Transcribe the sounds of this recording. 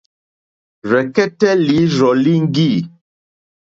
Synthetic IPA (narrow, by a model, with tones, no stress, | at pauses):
ɾɛ˨kɛ˦tɛ˦li˨˦ɾɔ˨li˦ŋ̩˦ɡi˦˨